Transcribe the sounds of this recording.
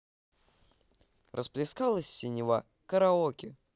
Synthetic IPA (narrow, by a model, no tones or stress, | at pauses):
rəsplʲɪskalˠəsʲːɪnʲɪva̰ | kəɾɐokʲɪ